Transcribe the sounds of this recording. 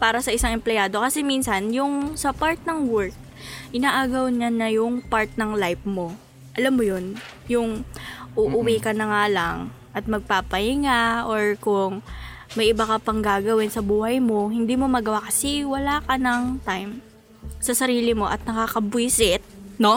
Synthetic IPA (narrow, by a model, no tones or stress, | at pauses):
paːɾɐsɐʔɪsaŋʔɛmplɛjaːd̪o̞kɐsɛminsɐnjʊŋsɐpaɹt̪̚nɐŋwɛɹk̪̚ | ʔɪnaːʔaːɡɐwɲanɐjʊŋpaɹt̪̚nɐŋlajfmo̞ | ʔɐlamːojon | jʊŋʔuːʔʊwikɐnɐŋaːlɐŋ | ʔɐt̪̚mɐɡ̚paːpɐhɪŋaʔoɹkʊŋ | mɐjʔɪbakɐpɐŋɡaːɡɐwɪnsɐbuːhɐjmo̞hɪnd̪iːmo̞mɐɡɐwakɐsiwɐlaːkɐnɐŋt̪ajm | sɐsɐɾiːlɪmo̞ʔɐt̪̚nɐkaːkɐbʊjsɪt̪̚no̞